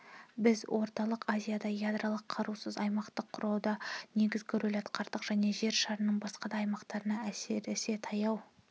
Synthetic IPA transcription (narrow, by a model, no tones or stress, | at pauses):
bɪzwʔo̞ɾt̪ɑlˠəqazʲijad̪ɑjad̪ɾalˠəqʰɑɾusəzɑjmɑqt̪əqʰːʊɾɑwd̪ɑne̞ɡʲɪzɡʲɪɾɵlɑt̪qɑɾt̪əqʒ̥æne̞ʒe̞ɾʃɑɾənəɴbɑsqɑd̪ɑːjmɑqt̪ɑɾənɑæse̞ɾɪse̞t̪ʰɑjɑw